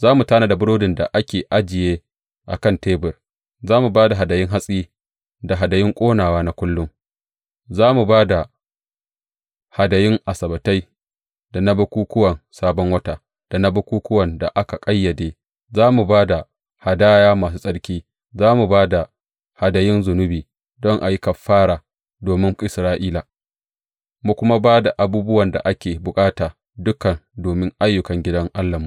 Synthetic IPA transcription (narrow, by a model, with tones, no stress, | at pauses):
zaː˦mu˨taː˦na˨da˨bʊ˦ɽoː˦dɪ˨nda̰˨ʔa˦kʲeː˨ʔa˦d͡ʒɪ˨jeː˦ | ʔa̰˨kɐ˦˨nteː˦bɪ˨r | zaː˦mu˨baː˦da˨ɦa˨dɐ˨jɪ˦ŋɦa˦sʼiː˦ | da˨ɦa˨dɐ˨jɪ˦ŋkʷʼoː˦naː˨waː˦na˦kʷʊ˦lːʊ˦ŋ | zaː˦mu˨baː˦da˨ | ha˨dɐ˨jɪ˦ŋʔa˨sɐ˨bɐ˨ta˦j | da˨na˦bɐ˦kʷuː˦kʷʊ˦wɐ˨nsaː˦bɔ˦ŋwɐ˦taː˨ | d̥a˨na˦bɐ˦kʷuː˦kʷʊ˦wɐ˨nda̰˨ʔa˦ka˨kʼɐ˦jːɐ˨deː˦ | zaː˦mu˨baː˦da˨ | ha˨daː˦jaː˦maː˨s̬uː˦sʼɐ˦ɽkʲiː˦ | zaː˦mu˨baː˦da˨ | ha˨dɐ˨jɪ˦nzʊ˨nʊ˦biː˨ | dɔ˦ŋʔa˨ji˦kɐ˨fːaː˦ɽaː˨ | doː˨mɪ˦ŋʔɪ˨sɾaː˦ʔiː˦la˨ | mu˦kʷʊ˦ma˦baː˦da˨ʔa˨buː˦bʊ˦wɐ˨nda̰˨ʔa˦kʲeː˨bʊ˨kʼaː˦taː˨ | dʊ˦kɐ˨ndoː˨mɪ˦ŋʔa˦jːʊ˨kɐ˨ŋɡʲɪ˦dɐ˦ŋʔa˦lːɐ˨mu˨